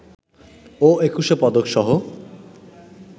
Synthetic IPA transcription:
oekuʃepɔd̪okʃɔɦo

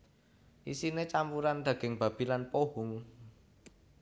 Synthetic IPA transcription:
ʔisinet͡ʃampuɾand̪̥ä̤ɡ̥ɪ̤ŋb̥ä̤b̥i̤lanpoɦʊŋ

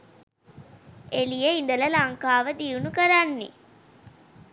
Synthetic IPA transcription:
elijeind̪əlɐlaŋkaːʋəd̪ijunukəɾanːḭ

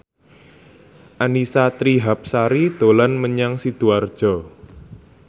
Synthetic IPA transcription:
ʔanisat̪ɾiɦap̚saɾid̪̥olanməɲaŋsid̪̥uard̥ʒ̥ɔ̤

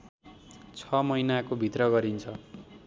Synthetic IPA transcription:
t͡sʰʌmʌjnakobʱit̪rʌɡʌɾint͡sʰʌ

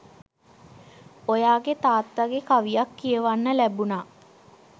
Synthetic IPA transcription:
ojaːɡet̪aːt̪ʋaɡekaʋijakːijəʋanːəlæbunaː

